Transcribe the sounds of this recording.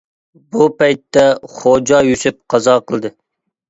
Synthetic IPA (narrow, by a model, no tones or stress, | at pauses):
bupɛjt̪ːɛχod͡ʒɑjysyp̚qʰɑzɑqəlˠd̪ɨ